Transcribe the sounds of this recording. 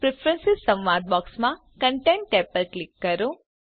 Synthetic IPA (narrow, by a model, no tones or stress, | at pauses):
pɾipʰɾənsizsɐ̃mʋad̪̚bɔːksmã | kəɳʈẽɳʈeːpəlklikːəɾu